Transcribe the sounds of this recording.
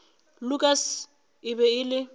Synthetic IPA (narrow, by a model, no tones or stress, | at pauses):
lʊkʼas | ɪbɛɪlɪ